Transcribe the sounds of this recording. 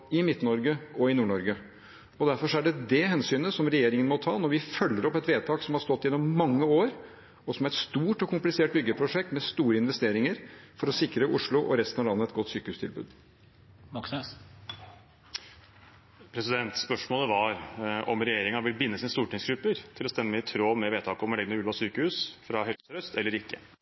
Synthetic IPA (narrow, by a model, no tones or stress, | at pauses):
ɪmɪt̪ːnɔɾɡəɔɪnuːɳɔɾɡə | ɔd̪æɾfɔʂɔæɖɛd̪ɛɦɛnsyːnəsɔmɾɛjeːɾɪŋənmɔt̪ʰɑ̰ːnɔɾʋɪfœlːəɾɔpːɛt̪ʋeːt̪ʰɑːksɔmhɑɾst̪ɔt̪ːɪjɛnɔmmɑŋːəoːɾ | ɔsɔmæɾɛt̪st̪uːʈɔkʰʊmplɪseːʈ̚bʏɡːəpʰɾʊʂɛk̚t̪mɛst̪uːɾəɪnʋɛst̪eːɾɪŋəɾfɔɾɔsɪkɾəʔʊʂɭʊʔɔ̰ɾɛst̪ənɑʋlɑnːəɛt̪̚ɡɔt̪ːsyːkəʉːst̪ʰɪ̰lbʉ̰ːd̪ | mɑksɛ | pʰɾɛsɪd̪ɛnt̪spœʂmoːləʋɑɾʔɔ̰mɾɛjeːɾɪŋɑʋɪlbɪnːəsinəst̪uːʈɪŋsɡɾʉpːəɾt̪ʰɪlɔst̪ɛmːəːəɪt̪ʰɾoːmɛʋeːt̪ʰɑːkəɔmɛɛɡnəʉːlʋɑsyːkəhʉːsfɾɑɦœsɾœst̪ɛlːəɾɪkːə